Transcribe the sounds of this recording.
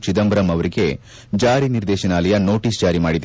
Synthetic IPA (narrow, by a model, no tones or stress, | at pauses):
t͡ʃid̪ɐmbɐɾɐmɐʋɐɾiɡe̞ | d͡ʒaːɾiniɾd̪ɛːʃɐnaːlɐjɐno̞ːʈisd͡ʒaːɾimaːɽid̪e